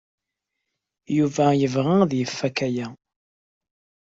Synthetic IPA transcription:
juvæjəvʁæðjəfːækæjæ

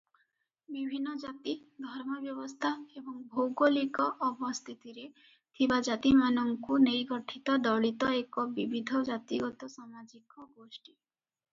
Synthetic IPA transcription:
bibʱinːɔd͡ʒat̪id̪ʱɔɾmɔbjɔbɔst̪ʰaebɔŋbʱowɡolikɔʔɔbɔst̪ʰit̪iɾe | t̪ʰibad͡ʒat̪imanɔŋkunejɡɔʈʰit̪ɔd̪ɔɭit̪ɔekɔbibʱid̪ʱɔd͡ʒat̪iɡɔt̪ɔsamad͡ʒikɔɡosʈi

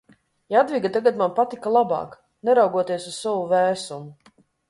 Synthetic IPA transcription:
jad̪vʲiɡat̪aɡat̪manpat̪ikalˠabɑ̰ːk | nɛɾawɡuɔt̪iɛsuzsavuvɛːsumu

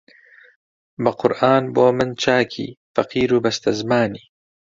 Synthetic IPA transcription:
bɐqʊɾʔaːnboːmɨnt͡ʃʰaːkʰḭːfɐqiːɾuːbɐst̪ɐzmaːniː

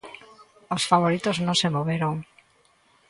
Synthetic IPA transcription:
osfaβoɾit̪oznõŋsemoβeɾoŋ

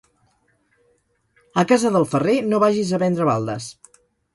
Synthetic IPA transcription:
əkazəðəlˠfərenoβaʒizəβɛnd̪ɾəβalˠd̪ə̰s

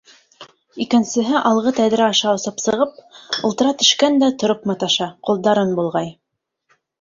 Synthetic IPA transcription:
ikɘ̆nsɘ̆ɦɘʔɑlˠʁɤt̪æðɾæɑʃɑŏsɤpsɤ̆ʁɤp̚ŏlˠt̪ɤ̆ɾɑt̪ɵ̆ʃkænd̪æt̪ŏɾopmɑt̪ɑʃɑqulˠd̪ɑɾɤnbulˠʁɑj

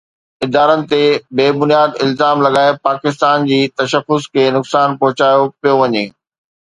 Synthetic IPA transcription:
ɪd̪aːɾənɪ̆t̪ebeːbʊnijaːd̪ɪlzaːmlɐɡaːepaːkɪst̪aːnd͡ʑiːt̪ɐʃəfʊskʰeːnʊksaːnpɐɦʊt͡ɕaːjopijoʋɐɲeː

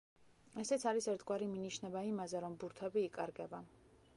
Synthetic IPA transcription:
ɛsɛt̪sʰaɾisɛɾt̪ʰɡwaɾiminiʃnɛbaimazɛɾɔmbuɾt̪ʰɛbiːkʼaɾɡɛba

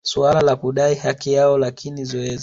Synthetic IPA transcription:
sualalakuɗaihakijaɔlakʰinizɔɛzi

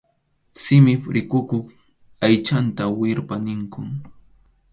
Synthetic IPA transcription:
sɪmɪpɾɪkʊkʊχ | ajt͡ʃant̪awɪɾpanɪŋkʊŋ

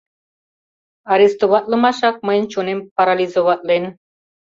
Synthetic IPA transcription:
aɾist̪oβɑt̪lˠɤmɑʃɑk̚məjnʲt͡ɕunempaɾalʲizoβɑt̪len

